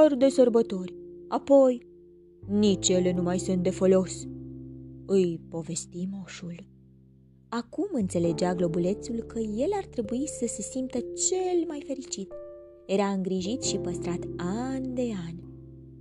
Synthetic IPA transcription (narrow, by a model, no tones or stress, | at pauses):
rd̪e̞sorbət̪o̞rʲapo̞j | nit͡ʃje̞le̞numajsunt̪̚d̪e̞fo̞lo̞s | ɨjpo̞ve̞st̪imoʃul | akumɨnt̪se̞le̞d͡ʒeaɡlo̞bule̞t̪sulkəje̞lart̪ɾe̞buisəse̞simp̚t̪ət͡ʃe̞lmajfe̞ɾit͡ʃit̪ | je̞ɾaɨŋɡɾiʒit̪ʃipəst̪ɾat̪and̪e̞anʲ